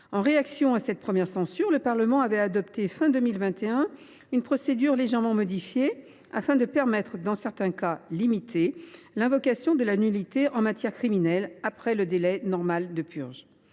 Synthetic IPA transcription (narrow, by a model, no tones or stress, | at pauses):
ɑ̃ʁeaksjɔ̃asɛt̪̚pχəmjɛʁsɑ̃syʁləpaʁləmɑ̃avɛad̪ɔpt̪efɛ̃d̪ømilvɛ̃t̪eɛ̃ | ynpχɔsed̪yʁleʒɛʁmɑ̃mɔd̪ifje | afɛ̃d̪əpɛʁmɛt̪χəd̪ɑ̃sɛʁt̪ɛ̃kalimit̪ʰe | lɛ̃vɔkasjɔ̃d̪əlanylit̪eʔɑ̃mat̪jɛʁkχiminɛlapχɛləd̪elɛnɔʁmald̪əpy̰ʁʒ